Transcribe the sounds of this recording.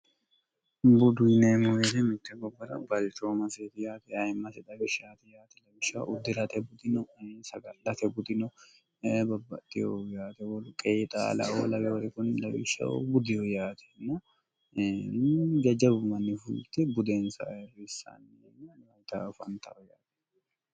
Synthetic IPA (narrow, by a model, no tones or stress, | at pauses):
bʊd̪ʊnemɔjɛt̪ɛmɪt̪ːɛbɔbːɐɾɐ̰bɐlt͡ʃʼoːmɐseːt̪ɪjaːt̪ɛɐjmːɐsɛt̪ɐbɪʃaːt̪ɛjaːt̪ɛlɐbɪʃːa̰ʔʊd̪ːɪɾɐt̪ɛbʊt̪ɪnɔsɐɡɐlɐt̪ɛbʊt̪ɪnɔ | bɐbːɐ̰t̪ʼːɪjojaːt̪ɛwɔlʊkʼeːt̪ʼa̰lɐ̰wo̰lɐbɛt̪ɪkʊnlɐbɪʃːɐ̰bʊd̪ɪjɔjaːt̪ʰɛ̥nːɐ | d͡ʒɐd͡ʒɐbmɐnːɪfʊlt̪ːɛbʊd̪eːnsɐ̰jrɪːsːa̰n | njɐt̪a̰fɐnt̪ʰɐ̰ɔjaːt̪ɛ̥